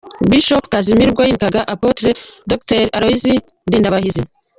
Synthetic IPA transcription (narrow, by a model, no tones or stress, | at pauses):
biʃopkazimiɾɡwajikaɡaʔapotɾedokteɾaɾoizi | ndiːndaβahizi